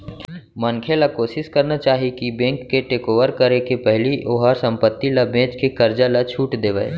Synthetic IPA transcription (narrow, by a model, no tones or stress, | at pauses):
mɐnkʰelakoːʃɪskəɾnat͡ʃaːɦikibẽːŋkːeʈeːkoːʋəɾkɐɾekepɛɦliʔoːɦaɾsɐ̃mpət̪ːilabẽːt͡ʃkekɐɾd͡ʒalat͡ʃʰuːʈd̪eːʋə̰ḛ